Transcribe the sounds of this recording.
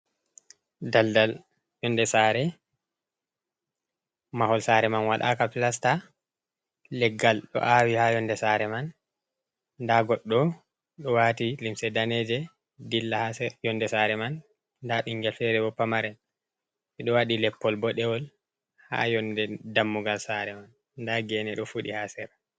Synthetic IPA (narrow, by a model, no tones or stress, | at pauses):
daldal | jɔndɛsaːɾɛ | mahɔlsaɾɛmanwaɗa̰ːkapilasta | lɛɡːalɗɔ̰ʔawihajɔndɛsaɾɛman | daɡɔɗːɔ | ɗɔwatilimsɛdaned͡ʒɛ | dilːahasɛjɔndɛsaɾɛmanː | daɓiŋɡɛlfɛɾɛbɔpːamaɾɛ | ʔiɗɔwaɗilɛpːɔlbɔɗɛwɔl | ha̰jɔndɛdamːuɡalsaɾɛmanː | daɡɛnɛɗɔfuɗihasɛɾa